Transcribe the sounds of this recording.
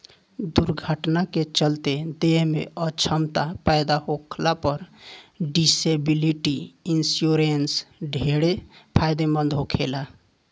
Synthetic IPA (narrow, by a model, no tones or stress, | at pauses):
d̪uɾɡʱəʈnaket͡ʃəlt̪ed̪eɦmḛət͡ʃʰəmt̪apajd̪aɦokʰlapəɾɖisebiliʈiinsjoɾensɖʱeɽepʰajd̪emə̃nd̪ʱɦokʰela